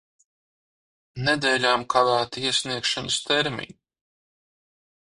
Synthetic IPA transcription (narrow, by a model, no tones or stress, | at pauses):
ned̪ɛːlʲaːmkavæːt̪aiɛsʲniɛkʃanɐst̪eɾmḭn